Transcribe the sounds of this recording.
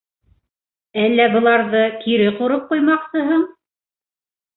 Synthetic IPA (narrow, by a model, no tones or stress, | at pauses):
ælːæbɤ̆lˠɑɾðɤkiɾɘquɾop̚qujmɑqsɤ̆ɦɤɴ